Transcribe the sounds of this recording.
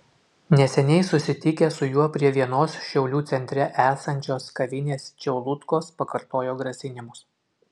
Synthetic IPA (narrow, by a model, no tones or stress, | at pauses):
nʲɛsʲɛnʲɛɪsʊsʲɪt̪ʲɪkʲɛsʊjuɔpʲɾʲiɛʋʲiɛnoːsʃʲɛʊlʲuːt̪sʲɛnʲt̪ʲɾʲɛʔæːsɐnʲt͡ʃʲoːskɐʋʲɪnʲeːst͡ʃʲɛʊlˠʊt̪koːspɐkɐɾt̪oːjoːɡɾɐsʲɪnʲɪmʊs